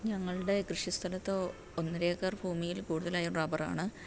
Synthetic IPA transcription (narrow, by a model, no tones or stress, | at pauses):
ɲɐŋːɐɭɨɽe̞krɨʂist̪ʰɐlɐt̪ːo | onːɐɾe̞ːkːaːrbʱuːmijilkuːɽuðɐlaːjuɳrɐbɐra̰ːɳɨ